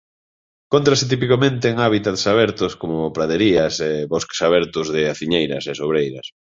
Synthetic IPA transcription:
kont̪ɾasɪt̪̬ipikomẽnt̪eːŋaβit̪at̪saβɛɾt̪ʊskomʊpɾaðeɾiɐseβoske̥saβ̞ɛɾt̪ʊzðɪaθiɲejɾɐsesoβɾejɾɐs

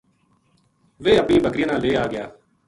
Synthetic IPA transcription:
ʋeːəpnĩːbəkɾɪjãːnaːlːeːaːɡɪjaː

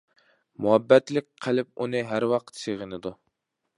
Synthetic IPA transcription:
muɦɛbːɛt̪lɪk̚ʲqʰːælɪp̚unɨɦæɾwɑq̚t̪seʁənɨd̪u

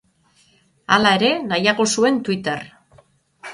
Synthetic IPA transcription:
alae̞ɾe̞najaɣosue̞nt̪uit̪eɾ

